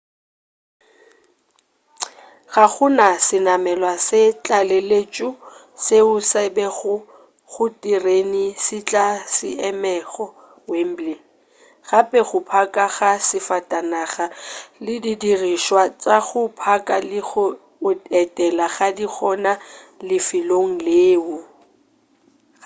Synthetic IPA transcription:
ɣaɣʊnasɪnamɛlwasɪt͡ɬʼalelet͡ʃʼʊ | seʊsɛbɛɣʊ | ɣʊtʼirenisɪt͡ɬʼasɪɛmɛɣɔ | wem̩bli | ɣapʼɛχʊpʰakʼaɣasɪfatʼanaχalɪdidiriʃwat͡sʼaɣʊpʰakʼalɪɣʊ | ʊɛtʼɛlaɣadiχʰɔnalɪfɪloŋ̩leːʊ

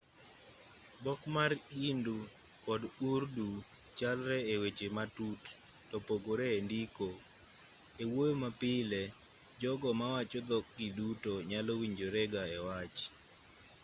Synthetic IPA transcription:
bɔkmaɾindu | kɔdurdu | t͡ʃalɾɛewet͡ʃematut | tɔpoɡoɾɛːndiko | ewojomapɪlɛ | d͡ʒɔɡɔmawat͡ʃod̪ɔk̚ɡidutoɲalowiɲd͡ʒoɾɛɡaɛwat͡ʃ

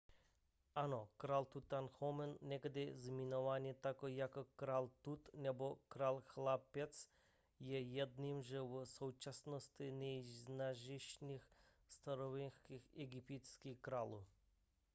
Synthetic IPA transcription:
anɔkɾalt̪ut̪anxɔmɛnːɛɡd̪ɛzminɔʋanʲit̪akɔjakɔkɾalt̪ut̪nɛbɔkɾalxlˠapɛt̪s | jɛjɛd̪nimʒɛʋsowt͡ʃasnɔst̪inʲɛznaʒiʃnix | st̪aɾɔʋinskixɛɡipit̪skixkɾaːlu

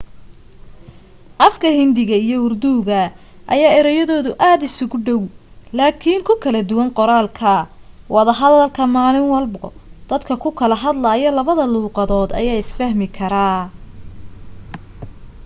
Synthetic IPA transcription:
ʔɐfkʰɐhɪnd̪ɪɣɐijɞʊrd̪uːɣɐ | ʔɐ̰jaːɪɾɛjɔðɔːðʊʔaːd̪ɪsʊɣʊɖɔwlaːkʰiŋkʰʊkʰɐlɐd̪ʊwɑŋqɔɾaːlkʰɐ | wɑðɐɦɐðɐlkʰɐmaːlɪnwɑlbɔ̰d̪̥ɐd̪kʰɐkʰʊkʰɐlɐɦɐd̪laːjɔlɐβɐðɐluːqɑðɔːd̪ɐ̰jaːɪsfɐhmɪkʰɐɾaː

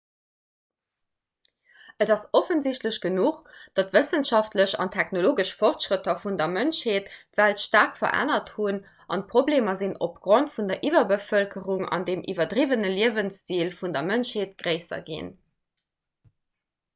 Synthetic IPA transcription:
ədɑsofənziɕtləɕɡ̥ənuχd̥ɑtvəsənʃɑftləɕɑ̰ntʰæxnoloːɡəʃfɔʁtʃʁətʰɐfundɐmənʃheːttvæltʃtaːʁkfɐ̰ʔæ̰nɐthun | ʔɑ̰n̚pʰʁ̥obleːmɐzino̰pɡ̥ʁontfundɐʔivɐbəfəlkʰəʁuŋɑ̰ndeːmʔḭvɐdʁivənəliəvənst͡siːlfundɐmənʃheːtɡ̥ʁəɪsɐ̰ɡḭn

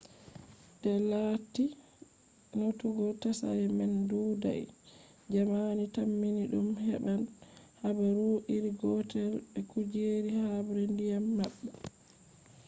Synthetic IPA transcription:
d̥ɛlaːti | notuɡɔtasa̰ɾɛmɛnduːda̰j | d͡ʒamanitamːiniɗumhɛ̰ɓanhabɛɾuʔiɾiɡɔtɛlbɛkud͡ʒeɾihabɾɛndijamːaɓːɛ

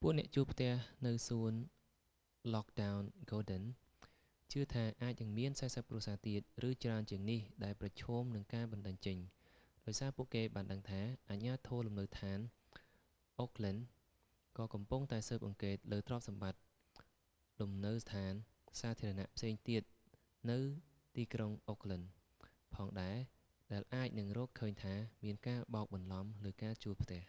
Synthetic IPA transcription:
puəʔnɛ̆əʔt͡ɕuːlpʰt̪ɛ̆əhnɨwsuən | lɔk̚ɗawnɡoːɗən | t͡ɕɨət̪ʰaːʔaːc̚nɨŋmiənsaːsəp̚kruəsaːt̪iət̪̚rɨːt͡ɕraənt͡ɕiəŋnihɗaɛlprɑt͡ɕʰɔːmnɨŋkaːɓɑnɗəɲt͡ɕəɲ | ɗaɔjsaːpuəʔkeːɓaːnɗəŋt̪ʰaːʔaːɲaːt̪ʰɔːlumnəwt̪ʰaːn | ʔoːkʰlən | kɑːkɑmpuŋt̪aɛsəːp̚ʔɑŋkeːt̪̚ləːt̪rŏəp̚sɑmɓat̪̚ | lumnɨwst̪ʰaːn | saːt̪ʰiəɾɑna̰ʔpʰseːŋt̪iət̪̚ | nɨw | t̪iːkroŋʔoːkʰlən | pʰɑːŋɗaɛ | ɗaɛlʔaːc̚nɨŋrɔːkʰːəːɲt̪ʰaːmiənkaːɓɑːk̚ɓɑnlɑmləːkaːt͡ɕuəlpʰt̪ɛ̆əh

